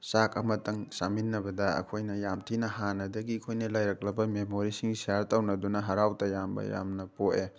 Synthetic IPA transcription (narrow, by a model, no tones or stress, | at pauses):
sakɐmɐtɐŋsaminːɐbɐdɐɐ̰kʰojnɐjamtʰinɐhanɐdɐɡiɐkʰojnɐlɐjɾɐk̚lɐbɐmemoɾisiŋsijaɾtɐwnɐdunɐɦɐɾawtɐjambɐ̰ja̰mnɐpoʔe